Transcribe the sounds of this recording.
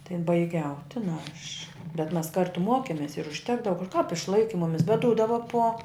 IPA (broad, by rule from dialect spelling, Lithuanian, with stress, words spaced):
tɐɪ bɐɪˈɡʲɛʊ ˈtʲɪnɐ ɐʃ bʲɛt mɐs ˈkɐrtʊ ˈmoːkʲɛmʲeːs ɪr ʊʃʲˈtʲæːɡdɐʋɐ kɐp ɪʃˈlˠɐɪkʲɪ ˈmʊmʲɪs bʲɛt ˈduːdɐʋɐ poː